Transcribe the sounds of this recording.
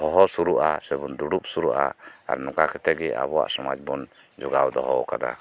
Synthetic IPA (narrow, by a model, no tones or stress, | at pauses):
hɔɦɔsuɾuʔasɛbɔnd̪uɽup̚suɾuʔaa̰ɾnɔkakʰɛt̪ɛɡɛa̰βɔwa̰ʔsɔmad͡ʒbɔn | d͡ʒɔɡawd̪ɔɦɔkad̪a̰